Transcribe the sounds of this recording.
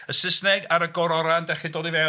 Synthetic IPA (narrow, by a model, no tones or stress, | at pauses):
əsɪsnɛɡaɾəɡɔɾɔɾandɛχidoːdivɛ